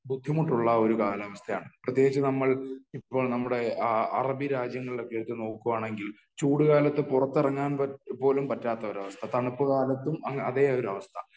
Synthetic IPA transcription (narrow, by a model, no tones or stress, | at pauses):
bud̪ʱːimuʈːuɭːɐo̞ɾukaːlɐʋɐst̪ʰɐja̰ːɳɨprɐt̪ːjeːɡit͡ɕːɨnɐmːɐɭipːo̞ːɭnɐmːuɽe̞ɐ̰rɐbiɾaːd͡ʑjɐŋːɐɭilo̞kːe̞ɽut̪ːɨno̞ːkːuʋaːɳe̞ŋɡil | t͡ɕuːɽuɣaːlɐt̪ːɨpurɐt̪ːirɐŋːaːnpɐpo̞ːlumpɐtːaːt̪ːɐoɾɐʋɐst̪ʰɐt̪ɐɳupːɨkaːlɐt̪ːumɐɐ̰ðeo̞ɾɐʋɐst̪ʰɐ